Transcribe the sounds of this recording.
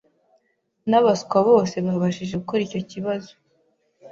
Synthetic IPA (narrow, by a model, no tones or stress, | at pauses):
naβaskwaβo̞ːse̞βahaβaʃiʒe̞ɡuko̞ɾiːco̞ciβazo